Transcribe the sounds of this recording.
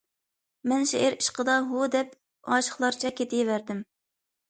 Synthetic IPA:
mɛnʃeʔɪɾiʃqəd̪ɑɦud̪ɛp | ɑ̰ːʃə̥χlˠɑɾt͡ʃʰɛkʲʰːet̪ʰɪjivæɾd̪ɪm

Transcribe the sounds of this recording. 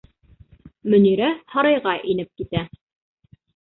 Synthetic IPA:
mɵ̆niɾæhɑɾɑjʁɑʔinɘp̚kit̪æ

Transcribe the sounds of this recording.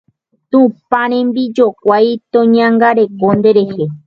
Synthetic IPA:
t̪ũpaɾẽmbid͡ʒokʷajt̪õɲãŋɡaɾekond̪eɾehe

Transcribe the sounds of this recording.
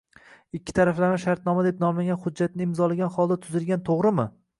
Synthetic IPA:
ɪkʲʰːɪ̥t̪ʰaɾaflaɾɪʃaɾt̪̚nɒmad̪e̞p̚nɒmaɡʲanχʊd͡ʒːat̪nɪɪmzɒlaɡʲanχɒlˠd̪at̪ʰʊzɪlɡʲant̪ʰoʁɾɪmɪ

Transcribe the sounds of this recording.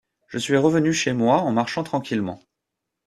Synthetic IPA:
ʒ̥əsɥiʁəvənyʃemwaɑ̃maʁʃɑ̃t̪χɑ̃kʲilmɑ̃

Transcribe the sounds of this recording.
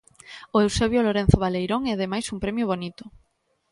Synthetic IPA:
oewseβjoloɾẽn̟θoβ̞alejɾoŋɛaðemajsumpɾɛmjoβ̞onit̪o̥

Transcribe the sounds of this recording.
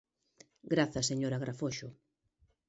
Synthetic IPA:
ɡɾaθɐseɲoɾaɣɾafoʃʊ

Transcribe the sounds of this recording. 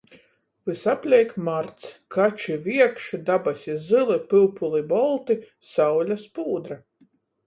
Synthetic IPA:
vɨsapʲlʲɛjkmaɾt̪skat͡ʃivʲiɛkʃid̪abasʲizɨlˠipɨlˠpulˠibɔlˠt̪i | sawlʲaspuːd̪ɾa

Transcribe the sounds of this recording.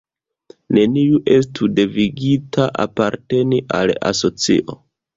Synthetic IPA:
ne̞niuʔe̞s̬tude̞viɡitʰaʔa̰paɾte̞niʔala̰so̞t͡sḭʔo̞

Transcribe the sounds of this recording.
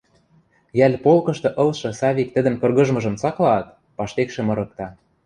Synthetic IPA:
jælʲpolkɤ̆ʃt̪ɤ̆ʔɤ̆lʃɤ̆sɑβʲik̚t̪ə̆d̪ə̆nkɤ̆rɣɤ̆ʒmɤ̆ʒɤ̆mt͡sɑklɑːt̪ | pɑʃt̪ekʃĕmɤ̆ɾɤ̆k̚t̪ɑ

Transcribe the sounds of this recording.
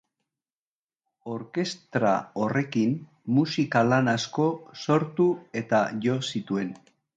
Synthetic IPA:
o̞ɾke̞st̪ɾa̰o̞re̞kimː | usikalanasko̞so̞ɾt̪ue̞t̪aʝo̞sit̪ue̞n

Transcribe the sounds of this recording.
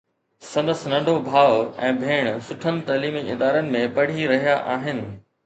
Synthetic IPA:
sɐ̃nd̪əsnɐ̃ɳɖʱobʱaːʋɛ̃ːbʱeːɽ̃sʊʈʰənɪ̆t̪ɐːliːmiɪd̪aːɾənɪ̆mẽpɐɽ̤iɾɐɦijaʔaːɦɪnɪ̆

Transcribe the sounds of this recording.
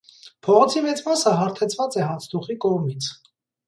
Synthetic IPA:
pʰɔʁɔt͡sʰimɛt͡smɑsəɦɑɾt̪ʰɛt͡sʰvɑt͡sɛɦɑt͡sʰt̪ʰuχikɔʁmit͡sʰ

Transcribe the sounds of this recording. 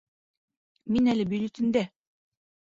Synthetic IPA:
minælɘbɵlit̪ɘ̆md̪æ

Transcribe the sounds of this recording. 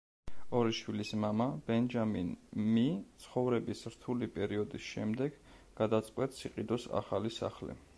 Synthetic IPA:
ɔɾiʃwilismamab̥ɛnd͡ʒaminmitt̪sʰχɔvɾɛbisɾt̪ʰulipʼɛɾiɔd̪isʃɛmd̪ɛɡ | ɡ̥ad̪at̪sʼqʼwɛt̪siqʼid̪ɔsa̰χalisa̰χlḭ

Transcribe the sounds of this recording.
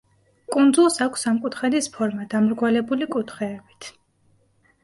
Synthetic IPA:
kʼund̪zulˠsakʷʰsamkʼut̪ʰχɛd̪ispʰɔɾmad̪amɾɡwalɛbulikʼut̪ʰχɛːbit̪ʰ

